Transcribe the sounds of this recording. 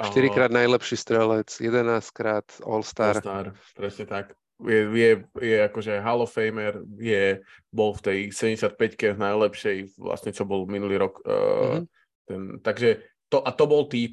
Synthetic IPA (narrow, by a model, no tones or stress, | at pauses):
ʔaʃt̪iɾikɾaːd̪najlɛpʃiːst̪ɾɛlɛt͡sjɛd̪ɛnaːskɾaːt̪ɔ̰lst̪aɾt̪aɾ | pɾɛsɲɛt̪ak | jɛjɛjɛakɔʒɛɦalɔfɛjmɛɾjɛbɔlft̪ɛjsɛɟɛɲɟɛsɪat̪̚pɛckɛnajlɛpʃɛjʋla̰sɲɛt͡ʃɔbɔlminuliːɾɔkː | t̪ɛnt̪aɡʒɛ | t̪ɔʔat̪ɔbɔlt̪iː